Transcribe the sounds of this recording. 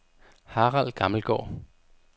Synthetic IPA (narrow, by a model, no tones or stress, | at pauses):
hɑ̈ːʁal̰ɡ̥ɑ̈ml̩ɡ̥ɒ̰ː